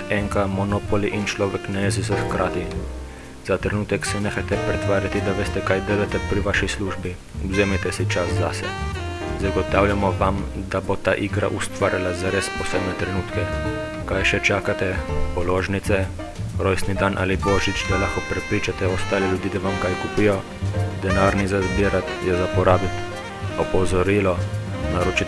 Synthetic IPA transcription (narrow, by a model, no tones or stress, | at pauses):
ɛŋkamɔnoːpɔliʔint͡ʃlɔːʋɛknajezɛz̬ɔxkɾʔaːt̪i | z̥at̪ɾɛnuːt̪ɛksineːxajt̪ɛpɾɛt̪ʋaːɾjat̪id̪aʋeːst̪ɛkajd̪eːlat̪ɛpɾiʋaʃisluːʒbi | ɔzeːmɛt̪ɛsit͡ʃaszasɛ̰ | zaɡɔt̪awljamɔʋam | d̪abot̪aʔiɡɾa̰ʔust̪ʋaːɾjalazaɾespɔseːbnɛt̪ɾɛnuːt̪kɛ | kajʃɛt͡ʃaːkat̪ɛpɔloːʒnit̪sɛ | ɾojsnid̪anʔa̰ːliboːʒit͡ʃd̪alaxkɔpɾɛpɾiːt͡ʃat̪ɛɔst̪aːlɛljud̪iːd̪aʋamkajkupijɔ | d̪ɛnaːɾnizazbiɾat̪jɛzapɔɾaːbit̪ | ɔpɔzɔɾiːlɔnaɾut͡ʃi